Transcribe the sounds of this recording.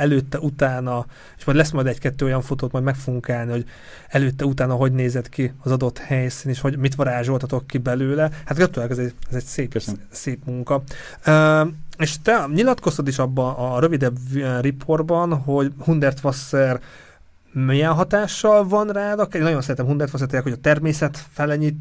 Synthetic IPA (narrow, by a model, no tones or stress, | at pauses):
ɛløːt̪ːɛut̪aːnɒ | eːʃmɒjd̪lɛsmɒjd̪ɛɟkɛt̪ːøːojɒɱfot̪oːt̪mɒjd̪mɛkfouɡuŋkaːlniho̞ɟ | ɛløːt̪ːɛut̪aːnɒɦo̞ɟneːzɛd̪kiɒzɒd̪o̞t̪hɛjsiːneːʃho̞ɟmit̪ʋɒɾaːʒo̞lt̪ɒt̪o̞kːibɛløːlɛhat̪ɡɒt̪ylɛkɛzɛɛzɛɟseː | seːpmuŋkɒ | øeːʃt̪ɛɲilɒt̪ko̞st̪ɒd̪iʃɒbːɒnːɾøvid̪ɛbripʰo̞rbɒnɦo̞ɟhund̪ɛrt̪ʋɒsːɛr | mijɛnɦɒt̪aːʃːɒlvɒnraːd̪ɒkːeːnɒɟosɛinɛmɦund̪ɛrt̪ʋɒs̬ɛrt̪ejɛkhoɒt̪ɛrmeːsɛt̪fɛlɛɲit̪ː